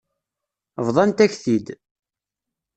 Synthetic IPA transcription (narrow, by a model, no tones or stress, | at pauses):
vðˤɑnt̪æçθid̪